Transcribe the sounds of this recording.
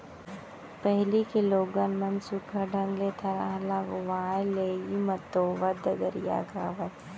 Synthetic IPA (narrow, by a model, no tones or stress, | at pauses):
pɛɦlikeloːɡɐnmɐnsʊkʰɐɖʱɐ̃ŋɡlet̪ʰɐɾaɦlãːɡʊʋaːjleːjimɐt̪oːʋɐd̪ɐɡəɾja̰ːkaːʋɐ